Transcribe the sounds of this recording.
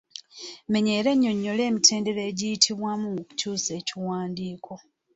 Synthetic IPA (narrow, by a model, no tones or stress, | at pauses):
me̞ɲe̞ːɾe̞ɲːo̞ɲːo̞le̞ːmitʰe̞ːnde̞ɾeːɟijitʰiβwamuoku̥cuːse̞ːciwaːndiːkʰo̞